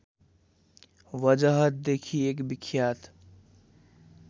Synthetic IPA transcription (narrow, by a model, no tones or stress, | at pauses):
ʋəd͡ʒəɦət̪̚d̪eːkʰieːkbɪkʰjaːt̪